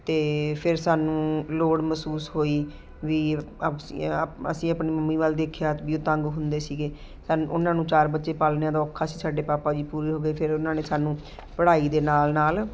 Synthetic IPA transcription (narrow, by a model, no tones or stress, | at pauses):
t̪eːpʰɪɾsaːnũːloːɽməsuːsɦoːiː | ʋiː | ə̰sĩːəpniːməmːiːʋaːld̪eːkʰejaːʋiːoːt̪ə̃ŋɡɦʊnd̪eːsiːɡeː | saʊnãːnũːt͡ʃaːɾbətːʃeːpaːlnãːd̪aːɔːkʰːaːsiːsaːɖeːpaːpaːd͡ʒiːpuːɾiːɦoːɡəeːpʰɪɾʊnãːneːsaːnũː | pəɽaːiːd̪eːnaːlnaːl